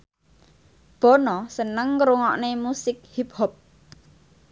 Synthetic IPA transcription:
b̥ɔ̤nɔsənəŋkɾuŋɔʔnemusɪk̚hip̚hɔp̚

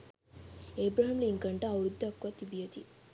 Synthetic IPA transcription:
eːbɾaːɦɐmluiŋkɐɳʈaɐwɾud̪ʱːɐkːʋat̪ibijɐt̪i

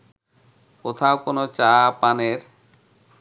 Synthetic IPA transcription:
kot̪ʰaokonot͡ɕapaneɾ

